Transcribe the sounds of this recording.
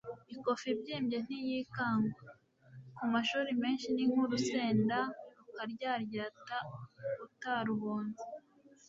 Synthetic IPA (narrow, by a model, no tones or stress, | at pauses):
iko̞fibɟiːmbɟe̞n̥ijikaːŋɡwa | kumaʃuːɾime̞ːnʃiniŋ̥huɾuse̞ːndaɾukaɾɟaːɾɟaːtautaɾuβoːnzi